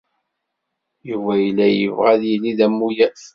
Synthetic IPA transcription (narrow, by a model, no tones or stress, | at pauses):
juvæjlːæjəvʁæðjilːiðæmːujæθ